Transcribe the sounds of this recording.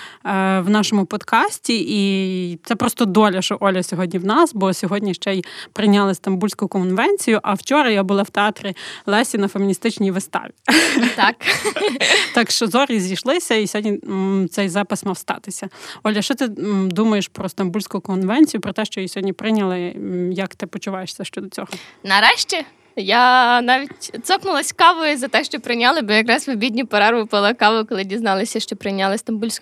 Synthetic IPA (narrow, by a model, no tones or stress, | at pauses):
wnɑʃɔmʊpɔd̪kɑsʲtʲiʔit̪sɛpɾɔst̪ɔd̪ɔlʲɐʃt͡ʃɔʔɔlʲɐsʲɔɦɔdʲnʲiwnɑsbɔsʲɔɦɔdʲnʲiʃt͡ʃɛjpɾɪjnʲɑlˠɪst̪ɐmbulʲsʲkʊjʊkɔnʋɛnʲt͡sʲijʊʔɐwt͡ʃɔɾɐjɦɔbʊlˠɑwt̪eɑt̪ɾʲilˠɛsʲinɐfemʲinʲist̪ɪt͡ʃnʲijʋɪst̪ɑ̰ʋʲit̪ɑk | t̪ɑkʃt͡ʃɔzɔɾʲizʲijʃlˠɪsʲɐisʲɦɔdʲnʲit̪sɛjzɑpɪsmɐwst̪ɑ̰t̪ɪsʲɐɔlʲɐʃt͡ʃɔt̪ɪd̪umɐjeʃpɾɔst̪ɐmbulʲsʲkʊʊkɔnʋɛnʲt͡sʲijʊpɾɔt̪ɛʃt͡ʃɔjisʲɦɔdʲnʲipɾɪnʲɐlˠɪjɐkt̪ɪpɔt͡ʃʊʋɑjeʃsʲɐʃt͡ʃɔd̪ɔt͡sʲɔɦɔnɐɾɛʃt͡ʃʲɛ | janɑʋʲitʲt̪sɔknʊlˠɐsʲkɑʋɔjzɐt̪ɛʃt͡ʃɔpɾɪnʲalˠɪbɔjɐkɾɑsʲmɪbʲidʲnʲipɐɾɑɾʋʊpɐlˠɪkɑʋɔkɔlˠɪdʲiznɑlˠɪsʲɐʃt͡ʃɔpɾɪnʲalˠɪst̪ɐmbulʲsʲk